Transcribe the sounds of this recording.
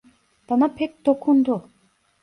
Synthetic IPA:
d̪̥anapʰek̚t̪okʰːund̪u

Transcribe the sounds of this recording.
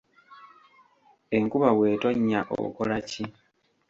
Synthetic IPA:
e̞ŋkuβawe̞ːtoɲːaʔo̰ko̞laci

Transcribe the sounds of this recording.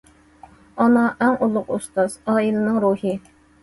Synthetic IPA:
ɑnɑʔɛŋulˠːʊqust̪ɑzɑːilˠɨnɨŋɾuhɨ

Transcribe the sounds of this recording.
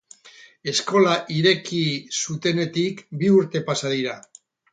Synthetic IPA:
e̞sko̞laʔiɾe̞kisut̪e̞ne̞t̪ikbiuɾt̪e̞pasaðiɾa

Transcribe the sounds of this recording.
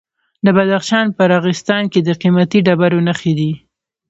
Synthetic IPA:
d̪əbad̪axʃɑnpəɾɑɣɪst̪ɑnked̪əqimat̪iɖabaɾonaxed̪i

